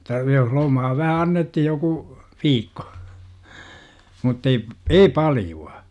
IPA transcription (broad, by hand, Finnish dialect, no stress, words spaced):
otːɑ jos lomɑː ʋæhæ ɑnːethij joku ʋiːkːo mutːei ei pɑljuɑ